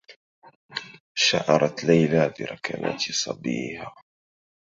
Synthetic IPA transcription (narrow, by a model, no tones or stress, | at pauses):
ʃaʕɑɾˤɑt̪lajlabiɾɑkʰana̰ːt̪sˤɑbḭːhaː